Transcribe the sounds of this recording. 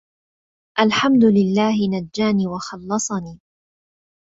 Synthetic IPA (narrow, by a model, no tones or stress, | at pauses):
ʔalħamd̪ʊlɪlːaːɦɪnad͡ʒːaːniːwɑxɑlːɑsˤɑniː